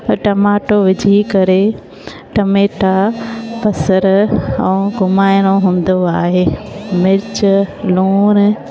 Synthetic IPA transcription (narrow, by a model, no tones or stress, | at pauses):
ʈɐmaːʈoʋɪd͡ʑʱikɐɾe | ʈɐmeːʈapɐsəɾɐ̃uɡʱʊmaːɪɽ̃oɦũːn̆d̪oaːɦeːmɪɾt͡ɕluːn